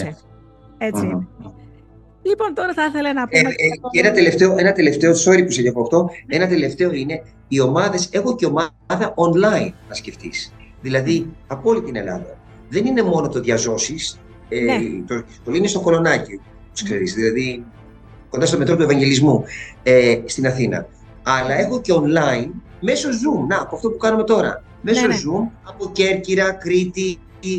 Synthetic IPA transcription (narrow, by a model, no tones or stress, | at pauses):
ei | lipo̞nt̪oɾɐθɐθelɐnɐpenɐt̪e̞le̞ft̪e̞oe̞nɐt̪e̞le̞ft̪e̞oso̞ɾipuseceɣoɐft̪o̞e̞nɐt̪e̞le̞ft̪e̞o̞ine̞ | io̞mɐðe̞se̞xoceo̞mɐ | ðɐʔonlɐinːɐsce̞ft̪ḭs | ðilɐðiɐpo̞lit̪ine̞lɐ̰ðɐ̰ | ðe̞nine̞mo̞no̞t̪o̞ðʝɐzo̞sis | t̪ot̪olinist̪o̞ko̞lo̞nɐcio | poskkseɾizðilɐði | ko̞nd̪ɐst̪omt̪ɾo̞t̪ue̞vɐɲɟe̞lizmuest̪inɐθinɐ̰ | ɐlɐe̞xo̞ce̞o̞nlɐin | me̞so̞zumnɐːpoɐft̪o̞pukɐnume̞t̪o̞ɾɐ̰ | me̞ssozumɐpo̞ce̞ɾciɾɐkɾit̪i